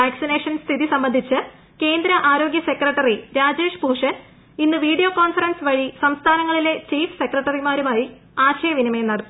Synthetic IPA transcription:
aːksine̞ːʂɐnst̪ʰiðisɐmbɐnd̪ʱit͡ɕːɨ | ke̞ːnd̪ɾɐʔaːɾo̞ːɡjɐse̞krɐʈːɐriɾaːd͡ʑe̞ːʂpuːʂɐ | inːɨʋiːɽijoːko̞ːnfɐrɐnsʋɐɻisɐmst̪ʰaːnɐŋːɐɭile̞t͡ɕiːfse̞krɐʈːɐrimaːɾumaːji | aːɕɐjɐʋinimɐjenɐɽɐː

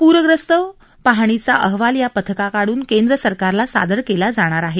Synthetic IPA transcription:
puɾʋəɡɾəst̪ə | paɦɳ̃it͡saʔəɦʋaljapət̪ʰəkakaɽuːnkend̪ɾəsəɾkaɾlasa̰d̪əɽkelad͡zaɽ̃aɾaɦe

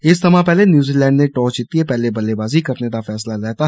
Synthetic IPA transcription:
ɪsd̪əmãːpɛːleːnjuːziːlɛ̃ːɳɖnẽːʈɔːt͡ʃɪt̪ːieːpɛːleːbəleːbaːziːkəɾned̪aːfʰɛːslaːlɛːt̪aː

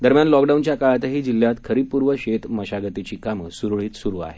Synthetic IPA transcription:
d̪əɾmjanlɔkɖaunt͡ɕjakaɭat̪ɦiːd͡ʑilːjat̪kʰəɾipuɾʋəɕet̪məɕaɡət̪it͡ɕiːkamsuɾɭiːt̪suɾua̰ɦe

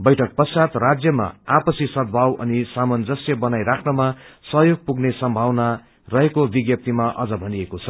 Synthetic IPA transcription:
bʌjʈʰʌk̚pʌsat̪rad͡zjʌma̰apʌsisʌd̪̚bʱawʌ̰nisamʌnd͡zʌsjʌbʌnajɾakʰnʌmasʌɦjoɡ̚puɡnesʌmbʱawna | rʌɦekobiɡjʌp̚t̪imaʔʌd͡zʌbʱʌniekot͡sʰʌ

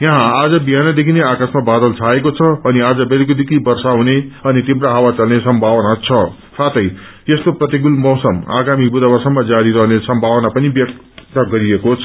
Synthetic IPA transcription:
jʌɦãːd͡zʌbiɦanad̪ekʰineakasmabad̪ʌlt͡sʰaekot͡sʰʌːniad͡zʌbeɾikod̪ekʰibʌrsaɦuneʌnit̪ibɾaɦawat͡salnesʌmbʱawʌnat͡sʰʌ | sat̪ʌj | jest̪oprʌt̪iɡulmʌwsʌma̰ɡamibud̪abʌrsamad͡zaɾiɾʌɦnesʌmbʱawʌnapʌnibjʌk̪̚ | ʌɡʌɾiekot͡sʰʌ

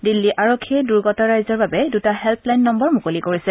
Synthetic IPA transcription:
dilːiʔʔaɹokʰːiɛduɹɡɔtɔɹajzɔɹbabɛdutaɦɛlpʰlajnːɔmbɔɹmukolikoɹisɛ

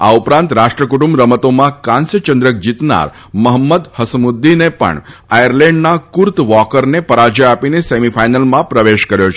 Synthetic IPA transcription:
a̰upɾãnt̪ɾaʃʈɾəkuʈumbɾəmət̪omãkãnsjət͡ʃənd̪ɾək̚d͡ʒit̪na̰ɾ | məɦəmːəd̪həsmud̪ːinepə̰ɳ | ajəɾlɛ̃ɳɖnakuɾt̪ʋɔkəɾnepəɾad͡ʒeapinesemifʰajnəlmãpɾəʋeʃkəɾjot͡ʃʰe

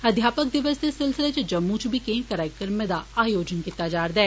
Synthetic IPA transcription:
ɐd̪ʱjaːpək̚d̪ɪʋəsd̪esɪlsɪlet͡ʃd͡ʒɐmːut͡ʃbʱikẽːkəɾaːɪkəɾmẽd̪aaːjoːd͡ʒənkɪt̪ːad͡ʒaːɾd̪ɛː

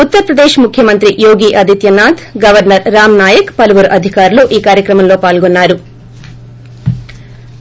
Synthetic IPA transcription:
ut̪ːɐɾɐpɾɐd̪eːʃmukʰjɐmɐnt̪ɾijoːɡiːʔɐd̪ʱit̪jɐnaːd̪ɡɐʋɐɾnɐɾːaːmnaːjɐkpɐluʋuɾʔɐd̪ʱikaːɾuluʔiːkaːɾjɐkɾɐmɐmlo̞ːpaːlɡonːaːɾu

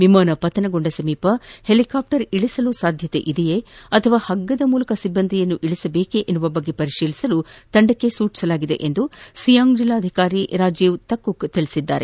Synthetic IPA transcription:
ʋimaːnɐpɐt̪ɐnɐɡoɳɖɐsɐmiːpɐhelikaːp̚ʈɐɾiɭisɐlusaːd̪ʱjɐt̪e̞̰ʔid̪ɛjeɐt̪ʰɐʋaːhɐɡːɐd̪ɐmuːlɐkɐsibːɐnd̪ʱijɐnːuʔiɭisɐbe̞ːkeʔenːuʋɐbɐɡːe̞pɐɾiʂiːlisɐlut̪ɐɳɖɐkːe̞suːʈi̥sɐlaːɡid̪e̞̰ʔend̪usijaːŋɡd͡ʒilːaːd̪ʱikaːɾiɾaːd͡ʒjeʋt̪ɐkːukt̪iɭisid̪ːa̰ːɾe

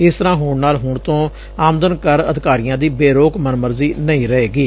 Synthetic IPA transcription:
ɪst̪əɾãːɦʊɳnaːlɦʊɳt̪õː | aːmd̪ənkəɾəd̪ɪkaːɾɪjãːd̪iːbeːɾoːkmənməɾziːnəĩːɾəeːɡiː

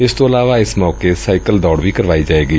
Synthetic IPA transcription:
ɪst̪õːəlaːʋaːɪsmɔːkeːsaːɪkəld̪ɔːɽʋiːkəɾʋaːiːd͡ʒaːeːɡiː

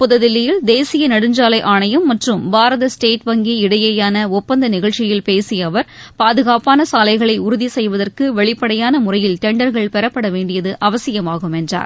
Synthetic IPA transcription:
pʊðɐðɪlːɪjɪld̪eːsɪjɐnɐɽɯɲd͡ʒaːlɐɪʔaːɳɐjɐmːɐʈrɯmbaːɾɐðɐsʈeːʈʋɐŋɡiɪɽɐjɐjaːnɐɔpːɐnd̪ɐnɪɣɐɭt͡ʃːɪjɪlpeːsɪjɐʋɐɾpaːðɯɣaːpaːnɐsaːlɐɪɣɐɭɐɪʊɾʊðisɛjʋɐðɐrkɯʋɛɭɪpːɐɽɐjaːnɐmʊrɐjɪlt̪ɛɳɖɐɾɣɐɭpɛɾɐpːɐɽɐʋeːɳɖɪjɐðɯʔɐʋɐsɪjɐmaːɣɯmɛndra̰ːɾ

